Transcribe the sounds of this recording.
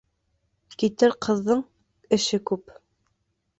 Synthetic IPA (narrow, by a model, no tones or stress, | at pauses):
kit̪ɘɾqʰɤ̆ðːɤɴ | ɘ̆ʃɘkʉp